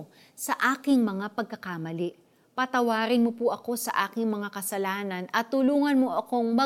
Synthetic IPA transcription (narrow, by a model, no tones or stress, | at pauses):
sɐʔaːkɪŋmɐŋapɐɡ̚kɐkamɐlɪʔ | pɐt̪ɐwaːɾɪnmopʊʔɐko̞sɐʔaːkɪŋmɐŋakɐsɐlaːnɐnʔɐt̪ːʊluːŋɐnmoʔɐko̞ŋmɐ